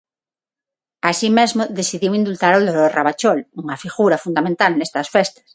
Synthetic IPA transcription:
asimezmoðesiðiwĩnd̪ult̪aɾoðoɾoraβat͡ʃoluŋafiɣuɾafund̪amẽnt̪alnest̪ɐsfest̪ḁs

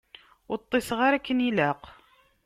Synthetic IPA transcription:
ʊɾt̪ˤːesʁaɾækːənilæq

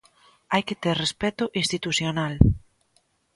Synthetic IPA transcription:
ajket̪eɾrespɛt̪ʊʔĩst̪it̪uθjonal

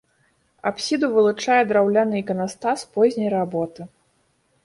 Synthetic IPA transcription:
apsʲid̪uvɨlˠut͡ʂajɛd̪ɾawlʲanɨikɐnast̪aspɔzʲnʲɐjɾabɔt̪ɨ

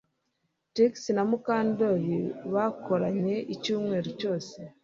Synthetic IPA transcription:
tiksinamukaːndojiβakoɾaɲe̞icuːmŋe̞ːɾoco̞ːse

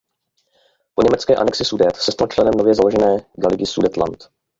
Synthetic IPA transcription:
po̞ɲɛmɛt͡skɛːʔa̰nɛksɪsudɛt̪sɛst̪alt͡ʃlɛnɛmno̞vjɛzalo̞ʒɛnɛːɡalɪɡɪsudɛt̪la̰nt̪

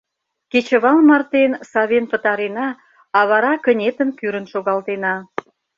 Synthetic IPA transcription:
ket͡ɕə̆βɑlmɑrt̪ensɑβenpət̪ɑɾenɑ | ɑβɑɾɑkənʲet̪ənkyɾənʃoɣɑlt̪enɑ

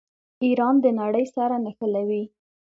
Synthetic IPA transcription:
iɾɑnd̪ənaɽəjsaɾanaxəlawi

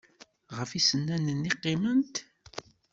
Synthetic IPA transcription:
ʁəfisənːænənːiqːimənt̪

